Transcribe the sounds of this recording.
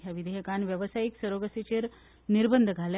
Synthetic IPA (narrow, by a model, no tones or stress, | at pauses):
jaʋid̪ʱəjəkanʋjəʋəsajiksəɾoɡəsit͡ɕeɾ | niɾbənd̪ʱɡʱal